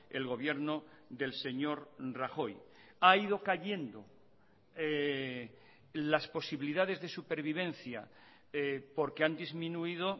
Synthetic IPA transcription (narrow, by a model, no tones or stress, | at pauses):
ḛlɣo̞β̞je̞ɾno̞ðe̞lse̞ɲo̞ɾraxo̞j | aið̞o̞kaʎe̞nd̪o̞ | e | laspo̞siβiliðaðe̞zðe̞supe̞ɾβ̞iβ̞ẽ̞nθja̰ | po̞ɾkeand̪izmĩnuiðo̞